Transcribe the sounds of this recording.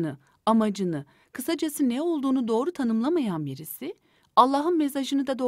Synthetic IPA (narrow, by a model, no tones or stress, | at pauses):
nɯ | amad͡ʒɯnɯ | kʰɯsad͡ʒasɯnɛo̞lˠd̪uːnud̪o̞ːɾut̪ʰanɯmlˠamajanbiɾisi | alˠːaːɦɯnmesaʒɯnɯd̪ad̪o̞